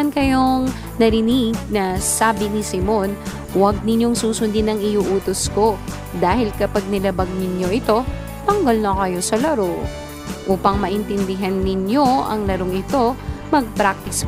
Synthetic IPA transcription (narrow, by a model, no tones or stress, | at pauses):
ɐnkɐjo̞ŋ | nɐɾɪnɪɡ̚nɐsaːbɪnɪsɪmon | wɐɡ̚nɪɲjo̞ŋsuːsʊnd̪inɐŋɪjuʔuːt̪osko̞ | d̪aːhɪlkɐpaɡ̚nɪlɐbaɡ̚nɪɲjo̞ʔɪt̪o̞ | t̪ɐŋɡɐlnɐkɐjo̞sɐlɐɾo | ʔuːpɐŋmɐʔɪnt̪ɛnd̪ɪɦɐnːɪɲjo̞ʔɐ̰ŋlɐɾoŋɪt̪o̞mɐɡ̚pɾak̚t̪ɪs